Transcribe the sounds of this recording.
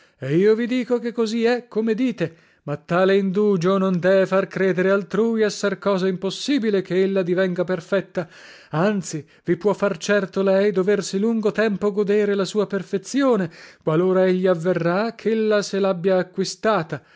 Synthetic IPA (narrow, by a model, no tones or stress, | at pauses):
eiːovid̪iːkokekːoziɛkːomed̪iːt̪e | mat̪ːaːleind̪uːd͡ʒonond̪ɛvefarkɾɛːd̪eɾealt̪ɾuːjɛsːarkɔːzaimposːiːbilekeelːad̪ivɛŋɡaperfɛt̪ːa | ant̪si | vipwɔfːart͡ʃɛrt̪olɛjd̪oversiluŋɡot̪ɛmpoɡod̪eːɾelasuːaperfet̪sjoːnekwaloːɾaeʎːiavːerːakʰelːaselabːjaːkːwist̪aːt̪a